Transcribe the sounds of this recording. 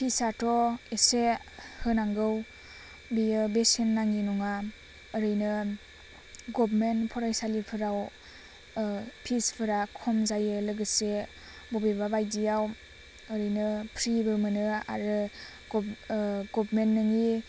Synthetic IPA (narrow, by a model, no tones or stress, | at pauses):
pʰisatɔesehɯnaŋɡɯw | bijɯbesenːaŋinuŋaː | ɾɯjnɯ | ɡɔbmenpʰɔɾajsalipʰɯɾaw | pʰispʰɯɾakʰɔmzajɯlɯɡɯse | bɔbebabajdijaw | əɾɯjnɯpʰɾibɯɾmɯnɯa̰ɾɯ | ɡɔbmenːɯŋi